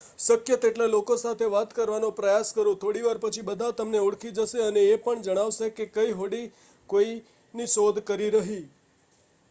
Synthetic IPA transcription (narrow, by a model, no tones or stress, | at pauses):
səkjət̪eʈlalokosat̪ʰeʋat̪kəɾʋanõpɾəjaskəɾũt̪ʰoɽiʋaɾpət͡ʃʰibəd̪ʱat̪əmneuɽkʰid͡ʒəʃeəneːpəɳd͡ʒəɽ̃aʋʃekekəiɦoɽi | koi | niʃod̪ʱkəɾiɾəɦi